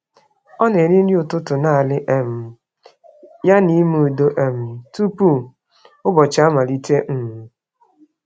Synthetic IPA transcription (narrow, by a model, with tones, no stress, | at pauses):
ɔ˦ne˨ɾɪ˦n̩˦dɪ˦ʊ˨tʊ˦tʊ˨na˦˨lɪ˦ʔe˦m̩˨ | ja˦ni˦mu˦˨do˦ʔe˦m̩˨tu˦pu˦˨ | ʊ˦bɔ˨t͡ʃa˦ma˨li˦te˦ŋ̩˦mu˨